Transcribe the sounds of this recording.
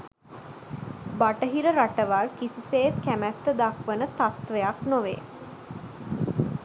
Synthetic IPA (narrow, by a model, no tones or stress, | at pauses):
baʈəɦiɾəɾaʈəʋalkisiseːt̪kæmæt̪ːəd̪akʋənət̪at̪ʋejaknoʋeː